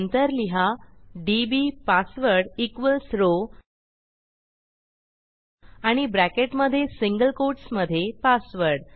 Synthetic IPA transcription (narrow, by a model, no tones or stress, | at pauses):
nt̪əɾliɦaɖibipasʋəɾɽikʋəlsɾo | aɽ̃ibɾækeʈməd̪ʱːjesiŋɡəlkoɾʈsməd̪ʱːjepasʋəɾɽ